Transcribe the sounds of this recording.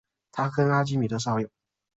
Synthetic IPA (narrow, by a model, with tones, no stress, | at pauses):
t̪ʰa˥kʰə˥na˥t͡ɕi˥mi˨˩d̪ə˦ʂ̬ɑ˥˩ʊjo˨˩˦